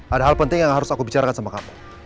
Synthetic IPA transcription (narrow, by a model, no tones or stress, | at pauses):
ʔadaɦalpənt̪ɪŋjaŋɦaɾʊsakubit͡ʃaɾakansamakamu